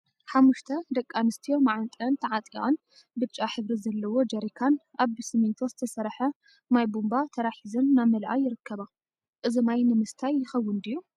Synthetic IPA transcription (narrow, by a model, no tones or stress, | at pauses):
ħamːuʃt̪ʰɐd̪ɐkʼːanɨst̪ʰijo̞maʕant̪ʼɐnt̪ʰɐʕat̪ʼiʔon | b̪ɨt͡ʃʼaħɨβɾizɐlːɐwo̞d͡ʒɐɾikʰanʔaβɨsɨmint̪ʰozɨt̪ʰɐsɐɾħɐ | majbumbat̪ʰɐɾaħizɐnːamɐlʔajːɪɾɨkʰːɐβa | ʔɨzimajnɨmɨst̪ʰajːɪxɐwːʊnd̪iju